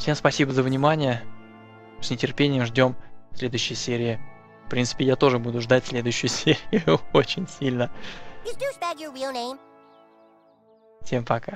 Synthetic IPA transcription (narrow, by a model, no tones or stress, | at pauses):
fsʲemspɐsʲibəzəvnʲɪmanʲɪjə | sʲnʲɪtʲɪrpʲenʲɪjəmʐdʲo̞msʲlʲe̞d̪ʊjɕːɪjəsʲeɾʲɪɪ | fpɾʲint̪sɨ̥pʲɪjat̪o̞ʐɨbud̪ʊʐd̪atʲsʲlʲe̞d̪ʊjʉɕːʊjʊsʲeɾʲɪjʊʊot͡ɕɪnʲsʲilʲnəɨzdusbɛɡjə˞wilˠnẽɪ̃m | fsʲempɐka